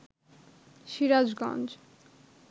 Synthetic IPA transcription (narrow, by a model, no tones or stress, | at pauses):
ʃiɾad͡ʑɡɔ̰̃nd͡ʑ